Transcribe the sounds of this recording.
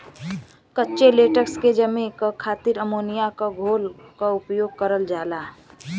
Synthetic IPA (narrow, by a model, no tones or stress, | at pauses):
kətːʃeleːʈəksked͡ʒəmẽkakʰaːt̪iɾəmoːnijakaɡʱoːlkaʊpjoːɡ̚kəɾəld͡ʒaːlaː